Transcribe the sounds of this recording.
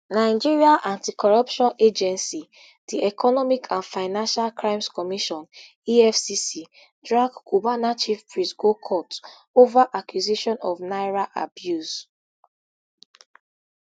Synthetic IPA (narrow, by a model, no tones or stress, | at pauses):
naɪd͡ʒiɹiaʔãntikɔɹɔpʃɔ̃ned͡ʒɛ̃nsi | diʔɛkɔnɔmikʰãnfaɪnãnʃalkɹãɪ̃mskɔmiʃɔ̃n | iɛfsisi | dɹaɡɡ̥ubanat͡ʃifpɹisɡokʰɔt | ovaʔakjuzeʃɔ̃nɔvnaɪɹaʔa̰bjuz